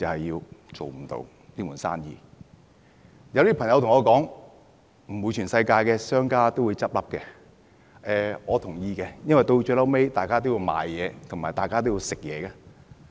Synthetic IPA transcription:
t͡sɐ˨˩hɐ˨jːiː˧wt͡ʃo̰˨wm̩˨˩t̪o̰˧w | liː˥muː˨˩nsa̰ː˥njḭː˧ | jɐ˨wt̪iː˥pʰɐ˨˩ŋjɐ˧wt̪ʊ˨ŋɔː˨˧kɔː˨˥ŋ | m̩˨˩mu˨˧jt͡ʃʰyː˨˩nsɐ˧jkaː˧jkɛː˧sœː˥ŋkaː˥t̪o˥wu˨˧jt͡sɐ˥p̚lɐ˥p̚kɛː˧ | ʔɛː˨ŋɔː˨˧t̪ʰʊ˨˩ŋjiː˧kɛː˧jɐ˥nwɐ˨jt̪o˧wt͡ʃøː˧lɐ˥wme˥jt̪aː˨jkaː˥t̪o˥wjiː˧wma̰ː˨jːɛː˨˧t̪ʰʊ˨˩ŋmaː˨˩jt̪aː˨jkaː˥t̪o˥wjiː˧wsɪ˨k̚jɛː˨˧kaː˧

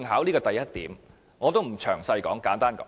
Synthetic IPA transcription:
ŋɦaː˨˥wliː˥kɔː˧t̪ɐ˨˩jɐ˥t̚t̪ḭː˨˥m | ŋɔː˨˧t̪o˥wm̩˨˩t͡ʃʰœː˨˩ŋsɐ˧jkɔː˨˥ŋkaː˨˥nt̪aː˥nkɔ̰ː˨˦

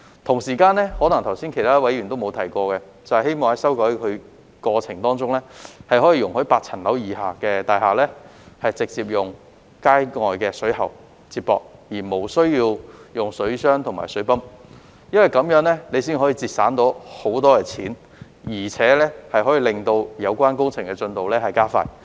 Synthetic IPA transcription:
t̪ʰʊ˨˩ŋsiː˨˩kaː˧nlɛː˥hɔː˨˥nɐ˨˩ŋt̪ʰɐ˨˩wsiː˥nkʰe˨˩jt̪ʰaː˥wɐ˨˥jy˨˩nt̪o˥wmo˨˧wt̪ʰɐ˨˩jkʷɔː˧kɛ˧ | t͡sɐ˨whɐ˨jhe˥jmɔː˨ŋhɐ˨˥jsɐ˥wkɔː˧˥kʰɵ˨˧ɥ | kɔː˧t͡sʰɪ˨˩ŋt̪ɔː˥ŋt͡sʊ˥ŋlɛː˥hɐ˨jɦɔː˨˥jiː˧jʊ˨ŋhɵ˨˥paː˧k̚t͡sʰɐ˨˩nlɐ˨˥wjiː˨˧haː˨˩kɛː˧t̪aː˨˧jɦaː˨˩lɛː˥hɐ˨jt͡sɪ˨k̚t͡siː˧˨p̚jʊ˨ŋ | kaː˥jŋɔː˨jkɛː˧sɵ˨˥ɥhɐ̰˨˩w | t͡siː˧t̚pɔ̰ː˧k̚jiː˨˩mo˨˩wsɵ˥ɥjiː˧wjʊ˨ŋsɵ˨˥ɥsœː˥ŋt̪ʰʊ˨˩ŋma̰ː˨˩jsɵ˨˥ɥpɐ˥m | jɐ˥nwɐ˨˩jkɐ˨˥mjœː˨˥ŋlɛː˥ne˨˧js̬iː˥nɦɔː˨˥jiː˧t͡siː˧p̚saː˨˥nt̪o˨˥who˨˥wt̪ɔː˥kɛː˧t͡sʰiː˨˥n | jiː˨˩t͡sʰɛː˨˥lɛː˥hɐ˨jhɔː˨˥jiː˧lɪ˨ŋt̪o˧wjɐ˨˧wkʷaː˥nkʊ˥ŋt͡sʰɪ˨˩ŋkɛ˧t͡sɵ˧nt̪o˨wlɛː˥hɐ˨jkaː˥fa̰ː˧j

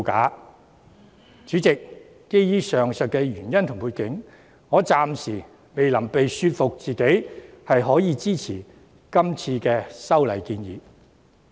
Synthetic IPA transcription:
ka̰ː˨˥ | t͡syː˨˥t͡sɪ˨k̚ː | e˥jjiː˥sœː˨˩ŋsœ˨t̚kɛː˧ɥyː˨˩njɐ˥nt̪ʰʊ˨˩ŋpʰuː˧jkɪ˨˥ŋ | ŋɔː˨˧t͡saː˨msiː˨˩ | me˨jlɐ˨˩mpe˨jsyː˧t̚fʊ˨k̚t͡siː˨ke˨˥jhɐ˨jɦɔː˨˥jiː˨˧t͡siː˥t͡sʰiː˨˩ | kɐ˥mt͡sʰiː˧kɛː˧sɐ˥wlɐ˨˩jkiː˧njḭː˨˧˥

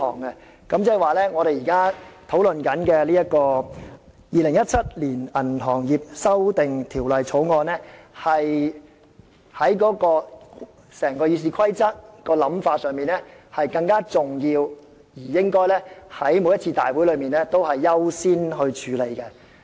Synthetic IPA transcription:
ɔ̰ː˨˩ŋɛ˧ | kɐ˨˥mt͡sɛː˥˨˩waː˨lɛː˥ŋɔ˨˧ɾe˨jiː˨˩kaː˥t̪ʰo˨˥wlɵ˨nkɐ˨˥nkɛ˧liː˥ɐ˥t̚kɔː˧ | jiː˨lɪ˨˩ŋjɐ˥t̚t͡sʰɐ˥t̚liː˨˩nɐ˨˩nɦɔː˨˩ŋjiː˨p̚sɐ˥wt̪ɪ˨ŋt̪ʰiː˨˩wlɐ˨jt͡sʰo˨˥wŋɔː˧nɛ˥hɐ˨j | hɐ˨˥jkɔː˨˥kɔː˧ | sɛː˨˩ŋkɔː˧jiː˨˧s̬iː˨˧kʰɐ˥jt͡sɐ˥t̚kɔː˧lɐ˨˥mfaː˧t̚sœː˨ŋmiː˨nɛ˥hɐ˨jkɐ˧ŋkaː˥t͡sʊ˨ŋjiː˧w | jiː˨˩jɪ˥ŋkɔː˥jlɛː˥hɐ˨˥jmo˨˧jɐ˥t̚t͡sʰiː˧t̪a̰ː˨jwu˨˥jlɵ˨˧ɥmiː˨˩nɛː˥t̪o˥whɐ˨jːɐ˥wsiː˥nɦɵ˧ɥt͡ʃʰyː˨˧le˨˧jkɛ˧

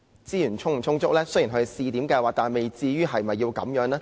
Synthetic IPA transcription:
t͡siː˥jyː˨˩nt͡ʃʰʊ˥ŋm̩˨˩t͡ʃʰʊ˥ŋt͡sʊ˥k̚lɛː˥sɵ˥ji˨˩ɦʰɵ˧e˨˩siː˧t̪i˨˥mkaː˧jwaː˨˧t̪aː˨n˨˩me˨jt͡siː˧jyː˥ɦɐ˨jmɐ˨jːi˧wkɐ̰˨˧˥mjœː˨˥ŋlaː˥

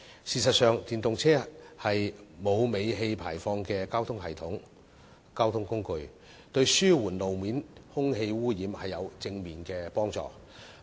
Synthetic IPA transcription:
siː˨˩sɐ˨t̚sœː˨ŋt̪iː˨nt̪ʊ˨ŋt͡sʰɛː˥hɐ˨jmo˨˧wme˨˧jɦe˧jpʰa̰ː˨˩jfɔː˧ŋkɛː˧kaː˥wt̪ʰʊ˥ŋɦɐ˨˩jt̪ʰʊ˨˥ŋ | kaː˥wt̪ʰʊ˥ŋkʊ˥ŋkɵ˧ɥ | t̪ɵ˧ɥsyː˥wuː˨˩nlo˨wmiː˨˥nhʊ˥ŋɦe˧jwuː˥jiː˨mhɐ˨jːɐ˨˧wt͡sɪ˧ŋmiː˨nkɛː˧pɔː˥ŋt͡sɔ̰ː˨˩

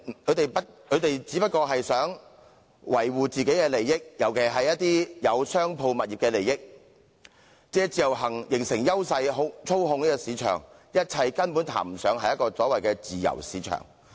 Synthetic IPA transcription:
kʰɵ˨˧ɥt̪e˨jpɐ˥t̚kʰɵ˨˧t̪e˨jt͡siː˨˥pɐ˥t̚kɔː˧ɦɐ˨jsœː˨˥ŋ | wɐ˨˩jwuː˨t͡siː˨ke˨˥jkɛː˧le˨˩jːɪ˥k̚jɐ˨˩wkʰe˨˩ɦɐ˨jːɐ˥t̚t̪iː˥jɐ˨˧wsœː˥ŋpʰo˧wmɐ˨t̚i˨pkɛː˧le˨˩jɪ˥k̚ | t͡sɛː˧˥t͡siː˨˧jɐ˨˩wɦɐ˨˩ŋjɪ˨˩ŋsɪ˨˩ŋjɐ˥wsɐ˧jɦʊ˧˥t͡sʰo˥wɦʊ˧ŋniː˥kɔ˧siː˨˧t͡ʃʰœ̰ː˨˩ŋjɐ˥t̚t͡sʰɐ˧jkɐ˥npuː˨˥nt̪ʰa̰ː˨˩m̩˨˩sœ̰ː˨˧ŋɦɐ˨jɐ˥tkɔː˧sɔː˨˥wɐ˨jkɛː˧t͡siː˨˩jɐ̰˨˩wsiː˨˥t͡ʃʰœ̰ː˨˩ŋ

